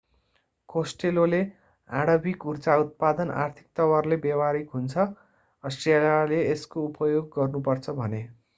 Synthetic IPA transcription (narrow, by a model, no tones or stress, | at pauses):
kosʈelole | aɽʌbikurt͡saut̪̚pad̪ʌna̰rt̪ʰi̥k̚t̪ʌwarlebawaɾikɦunt͡sʰʌ | ʌsʈalaleːskoupʌjoɡːʌrnupʌrt͡sʰʌbʱʌne